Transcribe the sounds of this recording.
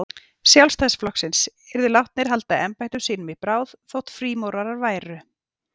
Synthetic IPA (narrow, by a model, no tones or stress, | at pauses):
sjawlst̪ʰajsflɔksɪnsɪɾðʏlawht̪̚nɪɾ̥ɦalt̪aɛmpajt̪ʏmsiːnʏmipɾaːwðθowht̪fɾiːmowɾaɾaɾvaːjɾʏ